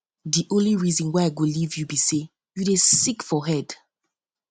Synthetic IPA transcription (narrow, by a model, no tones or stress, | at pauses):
diʔõnliɹizɔ̃nwaɪaɪɡolivjubise | judesikfɔɦɛd̥